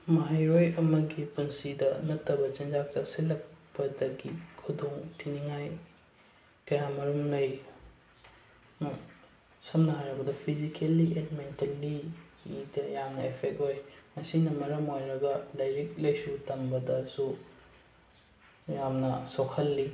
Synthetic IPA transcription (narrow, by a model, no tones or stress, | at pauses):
mɐɦɐjɾojɐmɐɡipunsidɐnɐtːɐbɐt͡ʃɐnd͡ʒak̚t͡ʃaksilɐk̚pɐdɐɡikʰudoŋtʰiniŋaj | kɐjamɐɾumnɐj | sɐmnɐɦajɾɐbɐdɐpʰizikʰelːiʔelimentelːiː | dɐjaŋnɐepʰek̚thojmɐsinɐmɐɾɐmojɾɐɡɐlɐjɾik̚lɐjsutɐmbɐdɐsu | jamnɐsokʰɐlːi